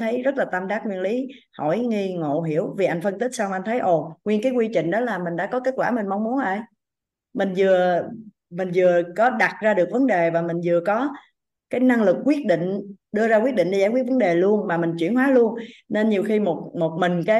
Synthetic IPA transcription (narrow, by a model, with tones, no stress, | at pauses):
t̪ʰə˨˦jzə˦˥t̚laː˨˩t̪a˧mɗaː˦˥ŋwi˧ənli˨˦ | hɔ̰˧˩jŋi˧ŋo̰˧˨ɦi˧˩˨əwvi˨˩ʔa˧ŋ̟fə˧nt̪i˦˥k̟̚sa˧wm˨ʔa˧ŋ̟t̪ʰə˨˦jʔo˨˩ŋwi˧ənkaː˨˦jkwi˧t͡ɕï˧˨ŋ̟ɗɔ˨˦laː˨˩mï̟˨˩ɗa̰ː˧˥kɔ˨˦ke˦˥t̚kwaː˧˩mï˨˩ŋ̟ma˨˦wŋ͡mmu˨˦ənʔa˧˩j | mï˨˩ŋ̟zɨ˨˩ə | mï˨˩ŋ̟zɨ˨˩əkɔ˨˦ɗa˨˩t̚zaː˧ɗɨ˨˩ək̚və˨˦nɗe˨˩vaː˨˩mï˨˩ŋ̟zɨ˨˩əkɔ˨˦ | kaː˨˦jna˧ŋlɨ˨˩k̚ːwi˦˥ət̚ɗḭ̈˧˨ŋ̟ɗɨ˧əzaː˧kwi˦˥əɗï˧˨ŋɗaː˧jkwt̚və˨˦nɗe˨˩lu˧ənmaː˨˩mï˨˩ŋ̟t͡ɕwi˧˩ənɦwaː˨˦lu˧ənne˧nɲi˨˩əwxi˧mo˨˩t̚mo˨˩t̚mï˨˩ŋ̟kaː˨˦